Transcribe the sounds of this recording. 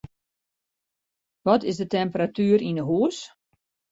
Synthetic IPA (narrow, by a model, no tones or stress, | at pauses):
ʋɔtɪzdətɛmpəɾatyːɾinəɦuəs